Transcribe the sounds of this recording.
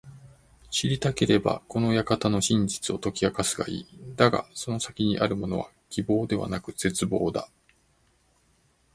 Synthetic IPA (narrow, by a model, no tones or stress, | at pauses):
ɕiɾʲit̪ake̞ɾe̞ba̰ko̞no̞jakat̪ano̞ɕĩɲ̟d͡ʑi̥t͡sɨo̞t̪o̞kʲiakasɨɡa̰ḭːd̪aɡa̰so̞no̞sakʲiɲ̟iʔaɾɯ̟mo̞no̞βa | kʲibo̞ːd̪e̞βa̰nakɯ̟z̥e̞t͡sɨbo̞ːd̪a̰